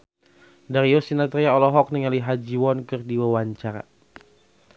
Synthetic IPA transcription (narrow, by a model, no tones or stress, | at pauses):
daɾiɔsinat̪ɾiaɔlɔɦɔk̚niŋaliɦad͡ʒiwɔnkɨrdiwawaɲt͡ʃaɾa̰